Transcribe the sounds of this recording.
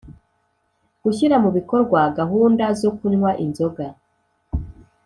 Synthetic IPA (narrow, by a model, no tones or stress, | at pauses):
ɡ̥uçiɾamuβiko̞ɾɡwaɡaɦuːndazokunwaʔinzo̞ɡa